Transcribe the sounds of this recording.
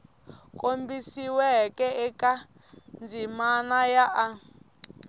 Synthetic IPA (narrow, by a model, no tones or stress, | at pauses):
kʼombisiwɛkʼɛɛkʼa | nd͡zimanajaʔa